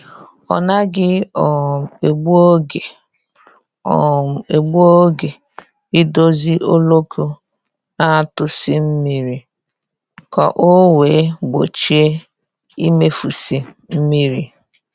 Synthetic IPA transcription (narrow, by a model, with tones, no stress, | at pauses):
ɔ̰˨na˦ɡɪ˦ɔ˨e˨ɡ͡bu˦o˦ɡe˨ | ɔ̰˨m̩˨e˨ɡ͡bu˦o˦ɡe˨ | ɪ˦do˦zi˦ʔo˦lo˦ku˦ | na˦˨tʊ˨si˦m̩˦mi˦ɾi˨ | kɔ˨ʔo˦weː˨˦ɡ͡bo˨t͡ʃi˦e˦ | i˦me˦fu˨si˨ | m̩˦mi˦ɾi˨